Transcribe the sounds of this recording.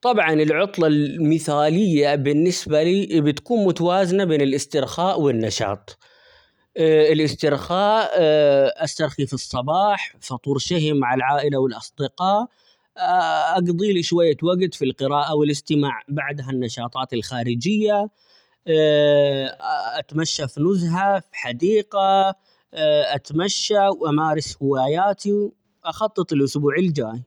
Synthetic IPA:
t̪ˤɑbʕɑnɪlʕʊt̪ˤlɑlmɪθaːlɪjːabɪnːɪsbaliːbɪt̪ḁkuːnmʊt̪awaːzɪnabeːnɪlʔɪst̪ɪɾxaːʔwɪnːɑʃɑ̰ːt̪ˤ | ɪlʔɪst̪ɪɾxaːʔ | ʔast̪aɾˤxifisˤːɑbɑːħfɑt̪ˤuːɾˤʃaɦɪmmaʕalʕaːʔɪlawɪlʔɑsˤd̪̥ɪqɑːʔ | ʔɑɡd̪ˤiːliʃwajːat̪waɡt̪filqɪɾaːʔawɪlɪst̪ɪmaːʕbaʕd̪ɦanːɑʃɑːt̪ˤɑːt̪ɪlxaːɾɪd͡ʒɪjːa | ʔat̪maʃːafinʊzɦafi̥ħad̪iːqa | ʔat̪maʃːawʔamaːɾˤɪshɪwaːjaːt̪i | ʔɑxɑt̪ˤːɨt̪ˤɪlʔʊsbuːʕɪld͡ʒaːj

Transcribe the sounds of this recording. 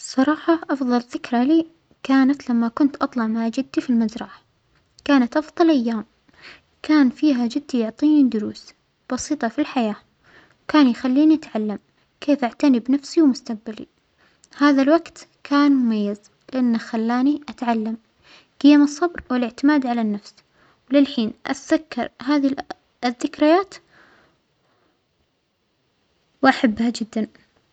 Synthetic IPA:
sˤɑɾˤɑːħɑʔɑfðˤɑlðɪkɾaliː | kaːnat̪lamːakʊnt̪ʔɑt̪ˤlɑʕmaʕd͡ʒɪd̪ːifilmazɾˤɑːħ | kaːnat̪ʔɑfðˤɑlʔajːaːm | kaːnfiːɦad͡ʒɪd̪ːijʊʕt̪ˤiːnd̪ʊɾuːs | b̥ɑsiːt̪ˤɑfilħajaː | wkaːnjxalːiːniʔat̪ʕalːam | kʰeːfʔaʕt̪anɪbnafsiwmʊst̪aq̚balḭ | haːðalwaɡt̪kʰaːnmʊmajːaz | lɪʔanːaxalːaːniʔat̪ʕalːam | ɡ̥ɪjːamɨsˤːɑbɾwɪlɪʕt̪ɪmaːd̪ʕalanːafs | wlɪlħiːnʔa̰akːɑɾˤɦaːði | ðːɪkɾɪjaːt̪ | wʔaħabːhad͡ʒɪd̪ːan

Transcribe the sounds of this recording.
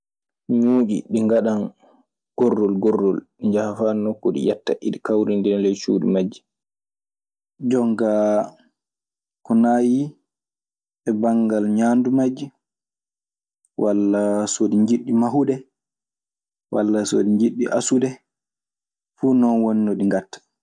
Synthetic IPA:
ɲuːɡḭɗiŋɡaɗan | ɡ̥ɔrːɔlɡɔrːɔl | iɲd͡ʒahafannokːuɗḭjatːa̰ʔḭɗikawɾindinlɛjʃṵːɗḭmad͡ʒːi | d͡ʒɔŋɡa | kɔnaji | ɛbaŋɡalɲaːndumad͡ʒːi | wʔalːasoɗiɲd͡ʒiɗːimaɦudɛ | wa̰lːaso̰ɗiɲd͡ʒiɗːiʔa̰sudɛ | fuːnɔnwonːɔɗiŋɡatːḁ

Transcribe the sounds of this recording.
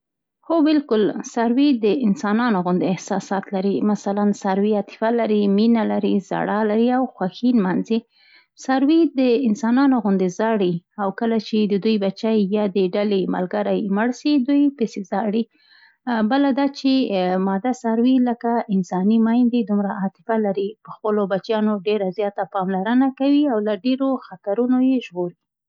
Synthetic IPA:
xobɪlkʊlsaɾwid̪əɪnsɑnɑnoɣʊnd̪eɪhsɑsɑt̪laɾimasalansaɾwiat̪ɪ̥falaɾiminalaɾiza̰ɽalaɾiawxwaxinmanzi | saɾwid̪əɪnsɑnɑnoɣʊnd̪ezɑɽiawkəlat͡ʃed̪əd̪ujbat͡ʃajːɑd̪əɖalema̰lɡaɾajməɽsid̪ujpesezɑɽi | bəlad̪ɑt͡ʃemɑd̪asaɾwiləkaɪnsɑnimajnd̪ed̪umɾaɑt̪ɪ̥falaɾipəxpəlobat͡ʃjɑnoɖeɾazjɑt̪apɑmlaɾənakawiawlaɖeɾoxat̪aɾunojeʒɣoɾi

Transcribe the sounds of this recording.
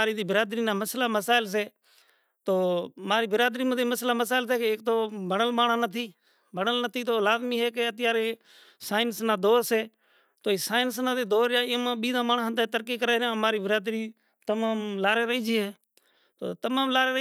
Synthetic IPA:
aːɾiːd̪iːbɪɾaːd̪ɾiːnaːməslaːməsaːɪls̬eː | t̪oːmaːɾiːbɪɾaːd̪ɾiːmə̃t̪eːməslaːməsaːɪlseːkeeːk̚t̪oːbʱəɳəlmaːɳaːnət̪ʰiː | bəɳəlnət̪ʰiːt̪oːlaːzmiːɦeːkeət̪ɪjaːɾeː | saːɪnsnaːd̪oːɾseː | t̪oːiːsaːɪns̬nãːt̪eːd̪oːɾjãːɪmãːɓiːd̪ãːmaːɳaɦənt̪at̪əɾkiːkəɾaːɾjãːmaːɾiːbɪɾaːd̪ɾiː | t̪əmaːmlaːɾeːɾəiːd͡ʒiːɦeː | t̪o̰ːt̪əmaːmlaːɾeːɾ

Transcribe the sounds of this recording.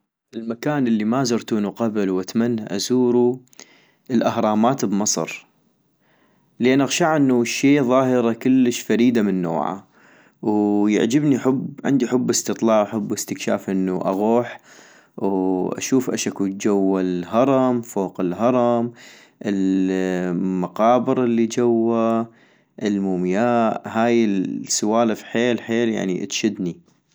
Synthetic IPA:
ʔɪlmakaːnʔɪlːimazʊɾˤt̪uːnuqɑblwat̪manːaʔazuːɾu | ʔəlʔahɾˤɑːmaːt̪bmɑsˤɑ̰ɾˤ | lenːʔaɣʃaʕʔɪnːuʃːeːðˤɑːhəɾɑkəlːəʃfaɾiːd̪amənːo̰ːʕa̰ | wjɪ̰ʕd͡ʒɪbniħʊbʕɪ̰nd̪iħʊbːɪst̪ɨt̪ˤlɑːʕwħʊbːɪst̪ɪkʃa̰ːfʔɪnːuʔa̰ɣuːħ | wʔa̰ʃuːfʔaʃakud͡ʒawːalɦɑɾˤɑmfoːqɪlɦɑɾˤɑm | ʔɪl | maqɑːbɨɾɪlːid͡ʒawːa | ʔɪlmuːmjaːʔɦaːjɪsʊwaːlafħeːlħeːlja̰ʕniʔɪt̪ʃɪd̪ni

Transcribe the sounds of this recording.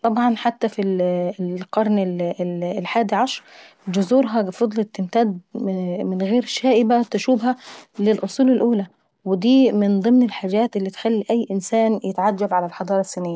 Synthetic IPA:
t̪ˤɑbʕɑnħat̪ːæfillqɑɾˤne | lħaːd̪iʕɑʃɾˤ | d͡ʒʊzuːɾɦæfɑd̪ˤlet̪ːɪmt̪æd̪mɪnɣeːɾʃæːʔɪbæt̪ɪʃuːbɦælɪlʔosˤuːlɪlʔuːlæ | wɪd̪iːmɪnd̪ˤɨmnɪlħaːd͡ʒæːt̪ʔɪlːit̪xælːiʔæjːʔɪnsæːnjʔɪt̪ʕad͡ʒːæbʕalælħɑd̪ˤɑːɾˤɑsːɪnɪjːæ

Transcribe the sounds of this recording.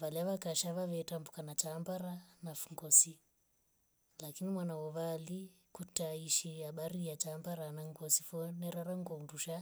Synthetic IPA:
ʋaliaβakaʃaʋaʋɛtambukanat͡ʃambaɾanafuŋɡɔsi | lakinimwanawɔβalikutaiʃiaɓaɾiat͡ʃambaɾanaŋɡɔsifɔnɛɾaɾaŋɡɔnduʃa

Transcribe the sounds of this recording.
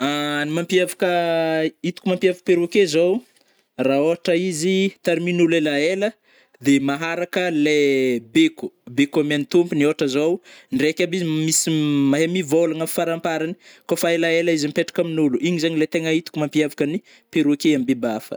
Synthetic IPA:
animampiavakə | it̪u̥kumampiavakə̥peɾukezow | raoɦaʈ͡ʂəizit̪aɾiminulelaelə | d̪emaɦaɾakəlebeku̥bekamanit̪umpinioaʈ͡ʂəzowɳɖ͡ʐekʲabizimisimaɦemivolaŋaifaɾampaɾani̥kofaelaelaizimipeʈ͡ʂḁkaminuluʔiɲizaɲilet̪eŋəit̪u̥kumampiavakəni | peɾukeamibebafə̰

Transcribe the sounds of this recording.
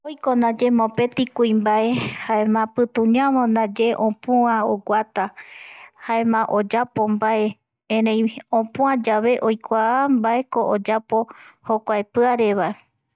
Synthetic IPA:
ojkonãd͡ʒemõpe̞t̪ikuimbae̞haemãpɨt̪ũɲãmõnãd͡ʒeʔõpũãoɡʷat̪a | haemãʔod͡ʒapombaʔe̞ | ẽɾẽj̃õpũãd͡ʒaβe̞ʔojkʷaːmbae̞ko̞ʔod͡ʒapo̞hokʷaepɨaɾeβae

